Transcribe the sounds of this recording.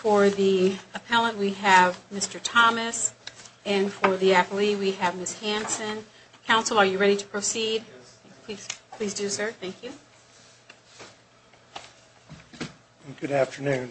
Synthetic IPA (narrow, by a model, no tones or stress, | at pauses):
fə˞ðiəpʰɛlˠə̃nʔwiɨvmɪstə˞tʰɑmɨsɨ̃nfə˞ðiæpəlˠiwiɨvmɪshæ̃nsɨ̃n | kʰãʊ̃nsl̩ˠə˞jɨɹɛɾiɾə̥pʰɹ̥oʊsid̚pʰl̥iz̥pʰl̥izdɨsə˞θæ̃ŋkʰjʉ | ɡʊɾæftə˞nʉ̃n